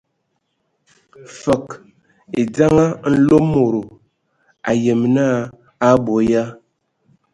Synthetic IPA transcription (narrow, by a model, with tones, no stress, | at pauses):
fə˨k | e˨d͡za˦ŋa˦n̩˦lo˦mːo˨ɾo˨ | a̰˨je˨m˨naː˦ | bo˨˦ja˦